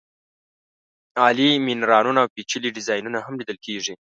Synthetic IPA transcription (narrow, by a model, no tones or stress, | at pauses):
ɑlimɪnɾɑnunaːwpit͡ʃəliɖɪzɑjnunaɦamlid̪əlkʰeʐi